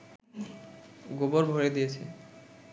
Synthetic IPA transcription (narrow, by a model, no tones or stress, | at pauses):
ɡoboɾbʱoɾed̪ijet͡ɕʰḛ